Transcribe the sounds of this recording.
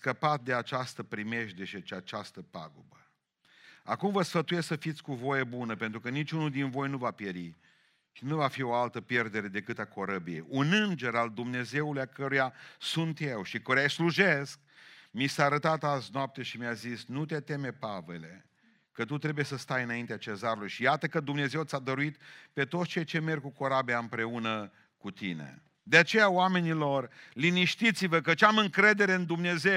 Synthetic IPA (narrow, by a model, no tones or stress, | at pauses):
kəpat̪̚d̪e̞at͡ʃast̪əpɾime̞ʃd̪e̞ʃit͡ʃiat͡ʃast̪əpa̰ɡobə | akumvəsfət̪ujessəfit̪sʲkuvo̞jebunəpe̞nt̪ɾukənit͡ʃʲunuld̪invo̞jnuvapjeɾi | ʃinuvafio̞alt̪əpje̞rd̪e̞ɾe̞d̪e̞kɨt̪ako̞ɾəbiḛjunɨnd͡ʒe̞ɾald̪umne̞ze̞ulujakəɾujasunt̪je̞wʃikoɾajsluʒe̞sk̚ | misaːɾət̪at̪aznoap̚t̪e̞ʃimjazisnut̪e̞t̪e̞me̞pave̞̰le̞̰ | kət̪ut̪ɾe̞bujesəst̪ajɨnaint̪eat͡ʃe̞zaɾulujʃijat̪əkəd̪umne̞ze̞wt̪sʲad̪əɾuit̪pe̞t̪ot̪st͡ʃeejt͡ʃe̞me̞rɡkuko̞ɾabiaɨmpɾe̞unə | kut̪ḭnḛ | d̪eat͡ʃe̞jawame̞nilo̞rliniʃt̪it̪sivəkət͡ʃamɨŋkɾe̞d̪e̞ɾe̞ɨnd̪umne̞ze